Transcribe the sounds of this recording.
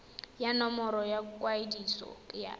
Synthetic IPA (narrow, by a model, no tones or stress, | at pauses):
janɔmɔɾɔjakʼwaidisɔ̰ja̰